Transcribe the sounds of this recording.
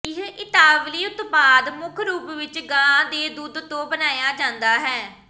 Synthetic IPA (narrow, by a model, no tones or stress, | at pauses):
ɪɦʔɪt̪aːʋliːʊt̪baːd̪mʊkʰɾuːpʋɪt͡ʃɡãːd̪eːd̪uːd̪t̪õːbənaːjaːd͡ʒãːnd̪aːɦɛː